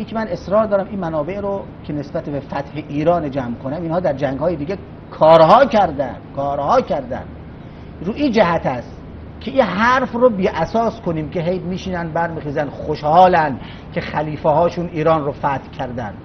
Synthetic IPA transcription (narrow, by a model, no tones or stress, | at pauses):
iːkʰʲemæne̞sɾɒːɾd̪ɒːɾæmʔinmænɒːbe̞ʔɾo | kʲʰenesbæt̪ebefæt̪heʔiːɾɒːned͡ʒæːmkʰonæminhɒːd̪æɾd͡ʒæŋɡhɒːjed̪iːɡʲe | kʰɒːɾɦɒːkʰæɾd̪æ̰nd̪̥kʰɒːɾhɒːkʰæɾd̪æ̰nd̪̥ | ɾuːiːd͡ʒæhæt̪ʰæst̪ | kʲʰeʔinɦæɾfrobiːʔæsɒːskʰoniːmkʰeɦejmiːʃiːnænd̪bæɾmiːxiːzænd̪̥xoʃhɒːlænd̪ | kʲʰe̞xæliːfeɦɒːʃuːniːɾɒːnrofæt̪hkʰæɾd̪ænd̪̥